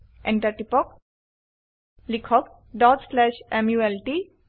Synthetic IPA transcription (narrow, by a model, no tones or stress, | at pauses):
ẽɳʈɐɾʈipɔk | likʰɔk | ɖɔʈslɛʃemjuelʈi